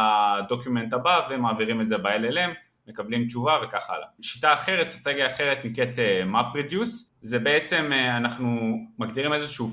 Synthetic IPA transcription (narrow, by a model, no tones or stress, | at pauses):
adokjume̞nt̪abave̞maːviʁimeze̞baelelemː | ekablimt͡ʃuvave̞kaχa̰la̰ʃitaːχe̞ʁet̪st̪ʁat̪eɡjaːχeʁet̪nikʁet̪emapʁed̪jus | zebe̞et͡se̞manaχnumaɡd̪iʁimezeʃuː